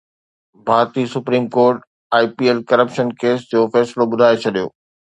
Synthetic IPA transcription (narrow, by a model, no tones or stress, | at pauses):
bʱaːɾt̪isʊpɾiːmkoːɾʈ | aːipiːelkɐɾəpʃənkeːsd͡ʑoːfɛːsloɓʊd̪ʱaːet͡ɕʰɐɗijo̰ː